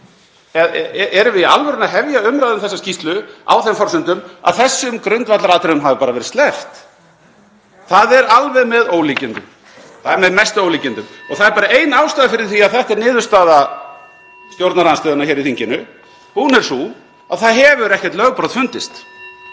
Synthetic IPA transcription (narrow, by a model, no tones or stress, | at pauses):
ɛʔɛɾʏvɪða̰lvɛɾɪnaɦɛvjaʏmɾajðʏmθɛsːascist̪lʏa̰wθɛmfɔɾ̥sʏnt̪ʏma̰ðθɛsːʏmkɾʏnt̪vat̪laɾaːt̪ɾɪɾʏmɦavɪpaːɾavɛɾɪt̪st̪lɛft̪ | θaðɛɾalvɛðmɛðoːwliːcɪnt̪ʏm | θaðɛɾmɛðmɛst̪ʏowliːcɪnt̪ʏmɔɣθaðɛɾpaːɾaeːjnaːwst̪aːðafɪɾɪɾ̥θiaðθɛht̪ɛɾnɪːðʏst̪aːða | st̪jowɾt̪naɾanst̪œːðʏnaçɛːɾiθiɲcɪnʏ | hunɛɾ̥su | aðθaðɦɛvʏɾɛhcɛt̪lœɣpɾoðfʏnt̪ɪst̪